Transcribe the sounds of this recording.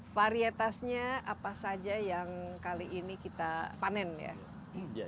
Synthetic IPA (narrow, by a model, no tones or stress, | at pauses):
faɾiet̪asɲaapasad͡ʒajaŋkaliʔinikit̪apanɛnja̰